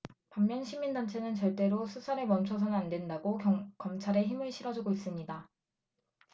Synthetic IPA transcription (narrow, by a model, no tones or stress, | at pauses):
pamːjʌnɕʰimindant͡ɕʰe̞nɯnt͡ɕʌɭt͈e̞ɾosʰusʰaɾe̞mʌnt͡ɕʰʌs̬ʰʌnɯandwe̞ndaɡokʌmt͡ɕʰaɾe̞çimɯɭɕʰiɾʌd͡ʑuɡois͈ɯmɲida